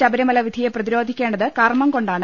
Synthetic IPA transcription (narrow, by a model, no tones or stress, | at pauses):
ɐbɐɾɐmɐlɐʋid̪ʱijeprɐðiɾo̞ːd̪ʱikʲːe̞ːɳɖɐðɨkɐrmɐmko̞ɳɖaːɳɨ